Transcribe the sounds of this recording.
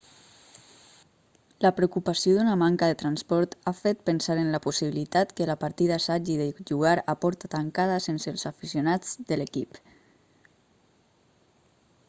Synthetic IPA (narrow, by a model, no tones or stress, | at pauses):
ləpɾeukupasioðunamaŋkaðet̪ɾanspɔɾt̪afet̪̚pənsaɾənləpusiβilit̪at̪kəlapaɾt̪iðaːsad͡ʒiðəʒuɣaɾapɔɾt̪at̪aŋkaðəsensəlˠzafisjunad͡zðəlekip